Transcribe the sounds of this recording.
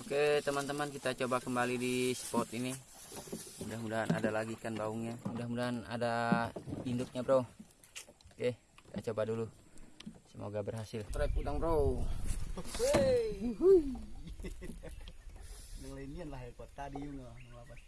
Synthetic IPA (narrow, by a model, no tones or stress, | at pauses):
oket̪əmant̪əmankit̪at͡ʃobakəmbalidisə̥pɔt̪ini | mudahmudaɦanʔa̰dalaɡikanbauŋɲamudahmudaɦana̰da | indʊk̪̚ɲabɾou | ke | ki̥t̪at͡ʃobadulu | səmo̰ɡabərɦasɪlɾakudaŋbəɾou | eɦu | daŋlainianlahɛpot̪adijuŋababas